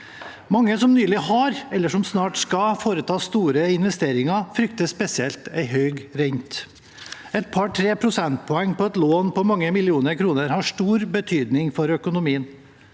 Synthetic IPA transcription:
mɑŋːəsɔmnyːlɪhɑɾɛlːəʂɔmsnɑːʈskɑfoːɾət̪ʰɑːst̪uːɾəɪnʋɛst̪eːɾɪŋɑfɾʏkt̪əspɛsɪɛlt̪æɪɦœʏɡɾɛɪnt̪ | ɛt̪̚pʰɑʈʰɾeːpʰɾʊsɛnt̪̚pʰɔɛŋːpɔɛt̪loːnpɔmɑŋːəmɪlɪuːnəɾkʰɾuːnəɾhɑʂʈuːɾbət̪ʰyːd̪nɪŋfɔɾœkʊnʊmiːən

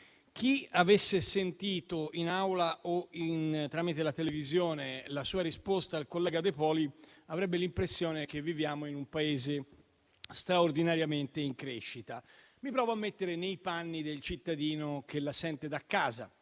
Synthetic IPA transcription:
k̟iavesːesent̪iːt̪oinawlaʔoint̪ɾaːmit̪elat̪elevizjoːnelasuːaɾispost̪aːlkolːɛːɡad̪epɔːliavɾɛbːelimpɾesːjoːnek̟evːivjaːmoinumpaeːze | st̪ɾaord̪inaɾjament̪eiŋkɾeʃːit̪a | mipɾɔːvoamːet̪ːeɾenejpanːid̪elt͡ʃit̪ːad̪iːnok̟elasɛnt̪ed̪akːaːza̰

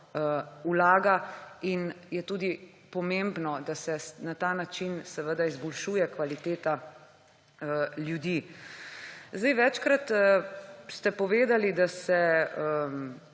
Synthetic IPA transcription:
əulaːɡainjɛt̪uːd̪i | pɔmẽmbnɔd̪asɛnat̪aːnat͡ʃinsɛʋəd̪aizbɔlʃujɛkʋalit̪eːt̪a | əljud̪i | zd̪ɛjʋɛt͡ʃkɾat̪əst̪ɛpɔʋeːd̪alid̪asɛə

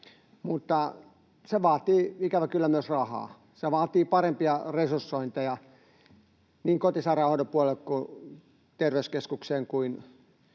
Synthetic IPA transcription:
mut̪ːɑ | seʋɑːt̪iːikæʋækylːæmyøsrɑhɑ̰ː | seʋɑːt̪iːpɑrempiɑresursːoint̪ɑjɑ | niːŋkot̪isɑˑirɑˑhoit̪opuolelkku | t̪erʋeyskeskukseːŋkuin

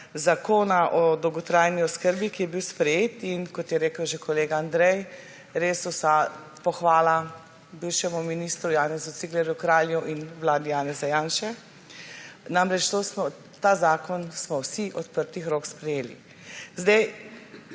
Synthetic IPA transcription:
zakoːnaʔɔd̪ɔwɡɔt̪ɾaːjniɔskəɾbikijɛbiwspɾɛjeːt̪inkɔt̪jɛɾeːkəwʒekʰɔleːɡaːnd̪ɾɛj | ɾeːswsa | pɔxʋaːla | biwʃɛmɔminiːst̪ɾujaːnɛzut̪siɡlɛɾjukɾaːljuʔinʋlaːd̪ijaːnɛzajaːnʃɛ | namɾɛt͡ʃt̪oːsmɔ | t̪aːzaːkɔnsmɔwsiʔɔt̪pəɾt̪ixɾoːkspɾɛjeːlḭ | zd̪ɛj

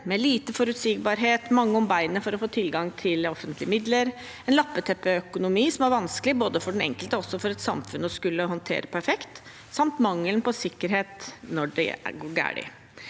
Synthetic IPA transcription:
mɛliːt̪əfɔɾʉt̪siːɡbɑːɾɦeːt̪mɑŋːəɔmbæɪnəfɔɾɔfoːt̪ʰɪlɡɑŋt̪ʰɪlɔfənt̪lɪəmɪd̪ləɾ | ɛnlɑpːət̪ʰɛpːɛœkʊnʊmiːsɔmæɾʋɑnskəlɪboːd̪əfɔɖɛnɛ̰ŋkəlt̪əɔsːɔfɔɾɛt̪sɑmfʉnːəɔskʉlːəɦɔnt̪ʰḛːɾəpʰæɾfɛkt̪ | sɑmt̪mɑŋːəlnpɔsɪkːəɾɦeːt̪nɔɖɛ̰æ̰ɡoːɡæ̰ːɖɪ̰

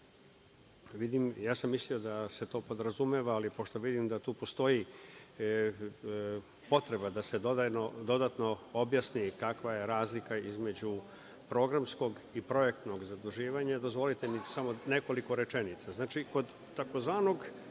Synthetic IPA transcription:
ʋid̪imjaːsamːislio̞d̪ase̞t̪o̞ːpo̞d̪ɾazumeʋaːlipo̞ʃt̪o̞ʋid̪imd̪at̪uːpo̞st̪o̞ji | po̞t̪ɾe̞bad̪ase̞d̪od̪ano̞d̪o̞d̪at̪no̞objasnikakʋaje̞ɾaːzlikaizme̞d͡ʑu | pɾo̞ːɡɾamsko̞ɡ | ipɾo̞je̞kt̪no̞ɡzad̪uʒiːʋaɲad̪o̞zʋo̞lit̪emisamo̞ne̞ko̞liko̞ɾe̞t͡ʃenit̪saznaːt͡ʃiko̞d̪ | t̪ako̞zʋaːno̞ɡ

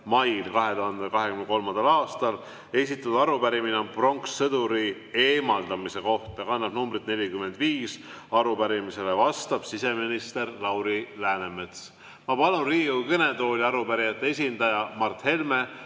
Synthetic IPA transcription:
mɑjlkɑɦe̞t̪uhɑnd̪ekɑɦe̞kymnko̞lmɑnd̪̥ɑlɑːst̪ɑl | e̞s̬it̪ːˑut̪d̪ɑɾupæɾimineompro̞ŋksːɤd̪uɾi | e̞ːmɑld̪ɑmise̞ko̞ht̪ɑjkɑnːɑbnumbrit̪ne̞lʲikymːe̞nd̪̥viːs | ɑɾupæɾimise̞levɑst̪ɑb̥sise̞minist̪e̞ɾlɑwɾilæːneme̞t̪s | mɑpɑlunriːukɤnet̪o̞ːlʲiɑɾupæɾijɑt̪ːˑe̞esʲind̪ɑjɑmɑrt̪he̞lme̞

